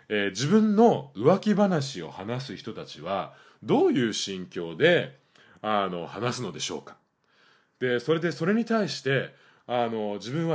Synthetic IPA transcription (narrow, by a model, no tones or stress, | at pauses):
eːd͡ʑibɯ̟̃nːo̞ɯ̟βakʲibanaɕio̞̰hanas̬ɨçi̥t̪o̞t̪at͡ɕiβ̞a | d̪o̞ːjɯ̟ːɕĩŋkʲo̞ːd̪e̞ | ano̞hanasɨno̞d̪e̞ɕo̞̰ːkḁ | d̪̥e̞so̞ɾe̞d̪eso̞ɾe̞ɲ̟it̪aiɕi̥t̪e̞ | ano̞d͡ʑibɯ̟̃ɰ̃βa